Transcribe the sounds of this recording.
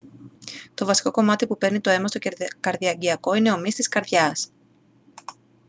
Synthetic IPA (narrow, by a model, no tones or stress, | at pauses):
t̪o̞vɐsi̥ko̞ko̞mɐt̪ipupe̞ɾnit̪oe̞mɐst̪o̞kɐɾðiɐɟiɐko̞ine̞o̞mist̪iskɐɾðʝɐs